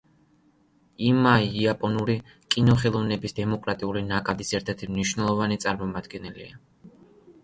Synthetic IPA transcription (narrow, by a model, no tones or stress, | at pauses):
imaiiapʼɔnuɾi | kʼinɔχɛlˠɔvnɛbisd̪ɛmɔkʼɾat̪ʼiulinakʼad̪isɛɾt̪ʰɛɾt̪ʰimniʃwnɛlˠɔvanit̪sʼaɾmɔmad̪̥ɡɛnɛlḭa